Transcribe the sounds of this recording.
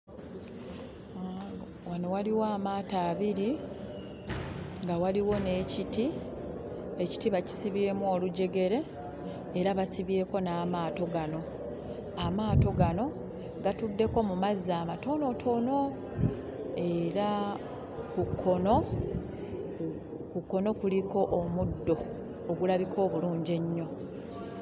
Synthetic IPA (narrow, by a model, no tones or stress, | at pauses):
a | wano̞waliwaːmaːtaːβiɾi | ŋɡawaliwo̞ne̞ːciti | e̞ci̥tiβaci̥siβje̞ːmuo̞ːluɟe̞ɡe̞ɾe̞ː | ɾaβasiβje̞ːko̞naːmaːto̞ɡano̞ | amaːto̞ɡano̞ | ɡatudːe̞ko̞mumazːaːmato̞no̞tʰo̞no̞ | e̞ɾa | kukʰːo̞no̞ | kukːo̞no̞kuliko̞ʔomudːo̞ː | ɡulaβikʰo̞ːβuluːɲɟe̞ɲːo̞